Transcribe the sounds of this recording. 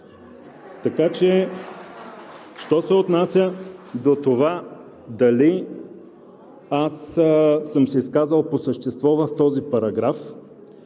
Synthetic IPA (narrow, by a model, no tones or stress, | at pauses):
t̪ɐkat͡ʃɛ | ʃt̪ɔsɛot̪nasʲəd̪ot̪ova | d̪ɐli | asː | ɤmsɛiskazəlˠposəʃt̪ɛst̪vɔvəft̪ɔzipɐɾɐɡɾaf